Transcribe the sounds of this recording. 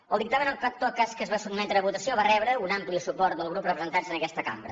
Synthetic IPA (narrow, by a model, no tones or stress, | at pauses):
əlˠd̪ik̚t̪amə̃nəlˠat̪ːokaskəzβasuɡmɛnt̪ɾəəβut̪əsioβarɛβɾəunamplisupɔɾt̪̚d̪əlˠɣɾuprəpɾəzənt̪anzənəkɛst̪əka̰mbɾə̰